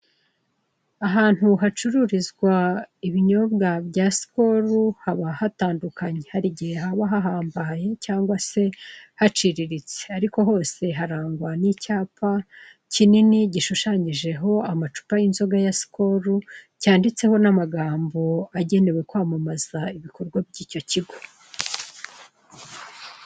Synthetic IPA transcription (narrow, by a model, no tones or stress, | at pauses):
aɦaːn̥huɦat͡ʃuɾuɾizɡwaiβiɲo̞bɡabɟaːsi̥ko̞ɾuhaβahataːndukaɲe̞haɾiɟihe̞ɦaβaɦaɦaːmbaje̞caːŋɡwase̞hat͡ʃiɾiɾit͡seaɾiko̞ɦo̞ːse̞ɦaɾaːŋɡwanicaːpʰa | cininiɟiʃuʃaːɲiʒe̞ɦo̞amat͡ʃu̥painzo̞ɡajasi̥ko̞ːɾu | caːndit͡se̞ho̞namaɡaːmbo̞aɟe̞ne̞we̞kwamamaz̥aiβiko̞ɾɡwabɟiːco̞ciɡo